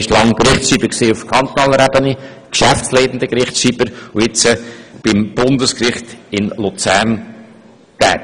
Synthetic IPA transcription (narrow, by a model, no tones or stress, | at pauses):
ɪʃlɑŋkɾɪχtsʃiːbəksiːʊfkʰɑnt̪onɑːləɾɛbəni | kʃæfsleɪdən̩d̪əkɾɪχsʃiːb̥əɾʊɪt͡səb̥ɪmb̥ʊnd̪əskrɪχt̪ɪnlut͡sæɾn | t̪ɛ̰ː